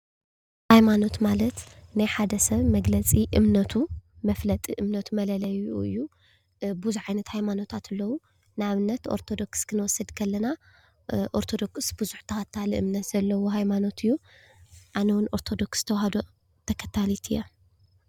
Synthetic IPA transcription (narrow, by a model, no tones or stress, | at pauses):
hajmano̞t̪malɐt̪najħad̪ɐsɐβmɐɡlɐt͡sʼiʔɨmnɐt̪ʰumɐflɐt̪ʼiʔɨmnɐt̪ʰumɐlɐlɐjuɨ̰jːu | buzuʕajnɐt̪hajmano̞t̪ʰat̪ɨlːɐwu | nɨaβɨnːɐt̪oɾt̪ʰo̞d̪o̞kskʰɨnwɔsːɨd̪kʰɐlːɐna | ʔoɾt̪ʰo̞d̪o̞ksb̥ɨzuħt̪ʰɐkʰɐt̪ʰːaliʔɨ̰mnɐt̪z̥ɐlːɐwoɦajmano̞t̪ʰɨjːu | ʔanɐwʊnʔo̞ɾt̪ʰo̞d̪o̞kst̪ʰɐwhɐd̪o | t̪ʰɐkʰɐt̪ʰalit̪ʰɨjːo